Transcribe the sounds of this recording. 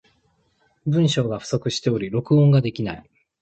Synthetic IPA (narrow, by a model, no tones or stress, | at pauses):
bɯ̟̃ɰ̃ɕo̞ːɡaɸɯ̟̥so̞kɯ̟ɕi̥t̪e̞o̞ɾʲiɾo̞kɯ̟õ̞ŋɡad̪e̞kʲinai